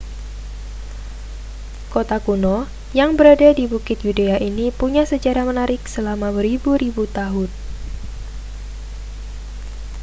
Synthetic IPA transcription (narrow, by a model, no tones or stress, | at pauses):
kot̪akunɔ | jaŋbəɾadadibukɪt̪̚judeaʔinipuɲasəd͡ʒaɾamənaɾɪk̚səlamawəɾibuɾibut̪aɦʊn